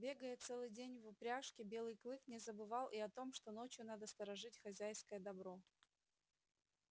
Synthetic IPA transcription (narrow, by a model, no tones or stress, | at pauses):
bʲe̞ɡəjət̪sɛlˠɨjdʲenʲvʊpɾʲaʂkʲɪbʲe̞lˠɨjklˠɨknʲɪzəbɨvɑlˠʔiɐt̪o̞mʂt̪o̞no̞t͡ɕjʊn̪ad̪əst̪əɾɐʐɨtʲxɐzʲæjskəjəd̪ɐbɾo̞